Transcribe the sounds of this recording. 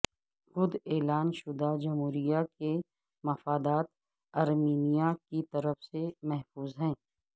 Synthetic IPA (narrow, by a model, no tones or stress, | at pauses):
xʊd̪eːlaːnʃʊd̪ad͡ʒɐmɦuːɾijake | mɐfaːd̪aːt̪̚ | ɐɾmiːnijakit̪ɐɾəfsemɛɦfuːzɦɛ̃ː